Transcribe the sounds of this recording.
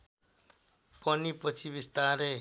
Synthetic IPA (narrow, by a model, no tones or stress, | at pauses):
pʌnipʌt͡sʰibist̪aɾe